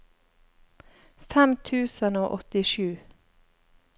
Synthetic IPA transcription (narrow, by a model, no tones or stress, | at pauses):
fɛmt̪ʰʉːsənoːʔɔt̪ɪʃʉː